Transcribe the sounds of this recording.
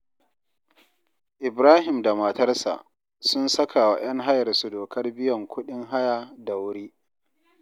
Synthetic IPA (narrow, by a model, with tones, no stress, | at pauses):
ʔɪ˨bɾaː˦ɦɪ˨mda˨mɐ˨tɐ˦rsa̰˨ʔ | sʊ˦nsɐ˦kʰa˨wa˨j̰ɐ˦ŋɦa˦jɐ˨rsu˨doː˨kʰɐ˦rbɪ˦jɔ˨ŋkʷʊ˦ɗɪ˦ŋɦa˦jaː˨da˨wʊ˦ɽiː˦